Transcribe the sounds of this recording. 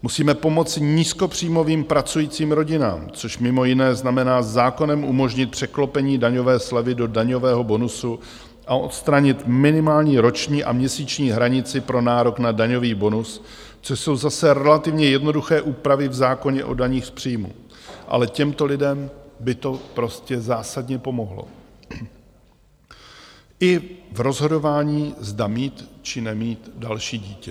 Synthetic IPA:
musiːmɛpo̞mo̞t͡sɪɲiːskopr̝̥ijmo̞viːmpɾat͡sujiːt͡siːmɾo̞ɟɪna̰ːmt͡so̞ʃmɪmo̞jɪnɛːznamɛnaːzaːko̞nɛmʔumo̞ʒɲɪt̪̚pr̥ɛklo̞pɛɲiːdaɲo̞vɛːslɛvɪdo̞daɲo̞vɛːɦo̞bo̞nusu | ʔaʔo̞̰t̪st̪ɾaɲɪt̪mɪnɪmaːlɲiːɾo̞t͡ʃɲiːʔa̰mɲɛsiːt͡ʃɲiːɦɾaɲɪt͡sɪpɾo̞naːɾo̞knadaɲo̞viːbo̞nus | t͡soʃso̞wzasɛɾɛlat̪ɪvɲɛjɛdno̞duxɛːʔuːpɾavɪvzaːko̞ɲɛʔo̞̰daɲiːxspr̝̥ijmṵ | ʔa̰lɛcɛmt̪o̞lɪdɛmbɪt̪o̞pɾo̞scɛzaːsadɲɛpo̞mo̞ɦlo̰ | ʔɪvɾo̞zɦo̞do̞vaːɲiːzdamiːt̪t͡ʃɪnɛmiːt̪dalʃiːɟiːcɛ

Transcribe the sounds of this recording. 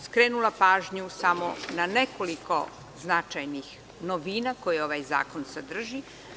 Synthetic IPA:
skɾeːnulˠapaːʒɲusamonane̞koliko̞̰ | znat͡ʃajnix | noʋiːnako̞jio̞ʋajza̰ːko̞nsad̪r̩ʒi

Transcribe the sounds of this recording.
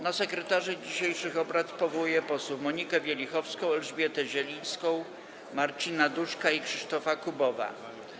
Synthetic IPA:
nasɛkɾɛt̪aʐɘd͡ʑiɕejʂɘxɔbɾat̪pɔvɔwujɛpɔswufmɔɲikɛvʲjɛlʲixɔfskɔ̃w̃ɛlʐbʲjɛt̪ɛʑɛlʲij̃skɔ̃w̃ | maɾt͡ɕinad̪uʂkaikʂɘʂt̪ɔfakubɔva̰

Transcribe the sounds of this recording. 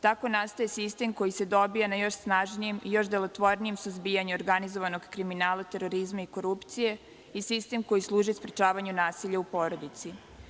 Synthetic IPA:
t̪ako̞nast̪ojesist̪e̞mko̞jise̞d̪o̞bijanajo̞ʃsnaʒnije̞mijo̞ʃd̪elˠo̞t̪ʋo̞ɾnijemsuzbiːjaɲuoɾɡanizo̞ʋano̞ɡkɾiminaːlˠat̪e̞ɾo̞ɾizmaiko̞ɾupt̪sije̞ | isist̪e̞mko̞jislˠuːʒispɾet͡ʃaːʋaɲunaːsiʎaupo̞ːɾo̞d̪it̪si

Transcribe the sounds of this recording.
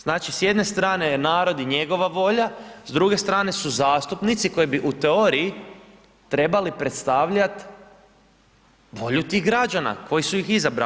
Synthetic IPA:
z̥naːt͡ʃisje̞d̪ne̞st̪ɾaːne̞naːɾo̞d̪iɲe̞ɡo̞ʋaʋo̞ʎazd̪ɾuɡe̞st̪ɾaːne̞suzaːst̪upnit̪siko̞jebiʔut̪eo̞ɾii | t̪ɾe̞balipɾe̞t̪st̪aːʋʎat̪ | ʋo̞ʎut̪iɣɡɾad͡ʒana̰ko̞jisujixizabɾa̰

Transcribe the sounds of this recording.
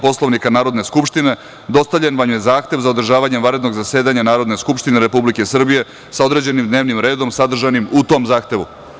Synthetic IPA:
po̞slˠoʋnikanaːɾo̞d̪ne̞skupʃt̪ine̞ | d̪o̞st̪avʎʲenʋamjezaːxt̪e̞ʋzaod̪r̩ʒaːʋaɲemʋaɾe̞d̪no̞ɡzase̞ːd̪aɲanaːɾo̞d̪ne̞skupʃt̪ineɾe̞publike̞sr̩bije̞ | sao̞d̪ɾe̞d͡ʑe̞nimd̪ne̞ːʋnimɾe̞ːd̪o̞msad̪r̩ʒanimut̪o̞mzaːxt̪e̞ʋṵ

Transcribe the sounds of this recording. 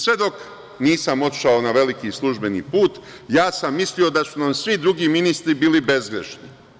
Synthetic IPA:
sʋe̞d̪o̞k | niːsamo̞t̪i̥ʃaonaʋe̞likislˠuʒbe̞nḭːpuːt̪ | jaːsamːislio̞d̪asunamsʋid̪ɾuɡiːminist̪ɾibilibe̞zɡɾḛʃni

